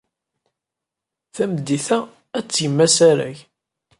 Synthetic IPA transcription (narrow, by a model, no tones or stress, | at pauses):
θæmd̪ːiθæ | æt͡sːjəmːæsæɾæ̰ç